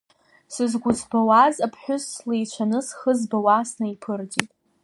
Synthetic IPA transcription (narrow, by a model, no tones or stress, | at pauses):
sɨzɡʷʊt͡sbawazapʰħʷᶣʊslejt͡ʃʷʰanɨsχəzbawasnaipʰɨrditʼ